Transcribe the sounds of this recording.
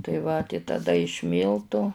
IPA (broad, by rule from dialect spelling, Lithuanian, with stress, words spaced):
tɐɪ ˈʋɐ tɐɪ tɐˈdɐ ɪʃ ˈmʲiːlˠtʊ